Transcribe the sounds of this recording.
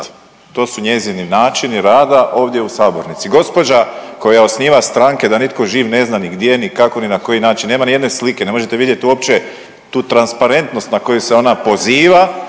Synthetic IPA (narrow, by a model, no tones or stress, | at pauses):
t̪o̞ːsuɲe̞zininaːt͡ʃiniɾaːd̪aʔo̞ːʋd̪je̞usaːbo̞ɾnit̪siɡo̞spo̞d͡ʒako̞jao̞sniːʋast̪ɾaŋke̞d̪anit̪ko̞ʒiːʋne̞znaniɡd̪jenikako̞ninako̞jinaːt͡ʃinːe̞ːmanije̞d̪ne̞slikene̞mo̞ʒet̪eʋid̪je̞t̪iuo̞pt͡ʃe | t̪uːt̪ɾanspaɾe̞nt̪no̞st̪nako̞juse̞o̞napo̞ziːʋa